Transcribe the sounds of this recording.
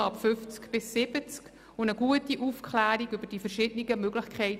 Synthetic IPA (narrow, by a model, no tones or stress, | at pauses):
ɑpfʏft͡skb̥ɪsːɪbət͡sk | ʊnəɡuətiʔufkʰlæːɾiɡʏbəɾd̥ifəɾʃɪdəniɡəmøɡlɪχkʰχɛɪt